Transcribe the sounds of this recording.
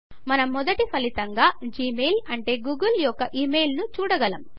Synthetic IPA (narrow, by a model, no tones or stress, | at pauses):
mɐnɐmːɔd̪ɐʈipɐlit̪ɐŋɡaːd͡ʒiːmeːjlɐɳʈe̞ːɡuːɡɐljɔkːɐʔiːmeːjlnut͡ʃuːɽɐɡɐlɐm